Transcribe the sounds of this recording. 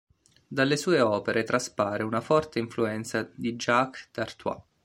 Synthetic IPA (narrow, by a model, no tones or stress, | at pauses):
d̪alːesuːeɔːpeɾet̪ɾaspaːɾeunafɔrt̪eiɱfluɛnt̪sad̪id͡ʒakːd̪art̪wa̰